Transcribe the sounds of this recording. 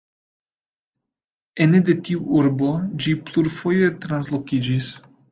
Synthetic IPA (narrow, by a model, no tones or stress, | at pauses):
ened̪et̪iuʔuɾbod͡ʒipluɾfojet̪ɾanslo̞kid͡ʒis